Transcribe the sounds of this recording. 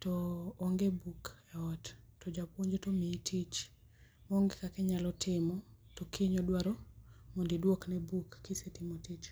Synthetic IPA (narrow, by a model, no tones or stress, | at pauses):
tɔːŋɡebukɛɔttɔd͡ʒapwoɲd͡ʒetomiitʰit͡ʃ | mɔoŋɡekakɛɲalɔtʰɪmɔtɔkʰiɲɔdwaɾɔmɔndidwoknɛbukːisetɪmɔtit͡ʃ